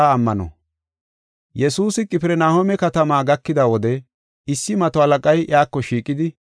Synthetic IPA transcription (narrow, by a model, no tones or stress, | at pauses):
aːmːɐnɔ̰ | jɛsuːsɪkʼɪpɛɾɛnaːhomɛkɐt̪ɐmaːɡɐkːɪd̪ɐwɔd̪ɛ | ɪsːɪmɐt̪ɔɐlɐkʼɐjʔj̰aːkːɔʃiːkʼːɪd̪ɪ